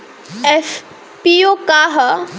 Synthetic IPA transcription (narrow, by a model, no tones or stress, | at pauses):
ɛf | piokaɦ